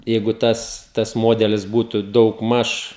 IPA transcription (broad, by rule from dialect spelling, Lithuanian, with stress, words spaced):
jɛɪɡʊ ˈtɐs tɐs ˈmoːdʲɛlʲɪs ˈbuːtʊ dɐʊɡˈmɐʃ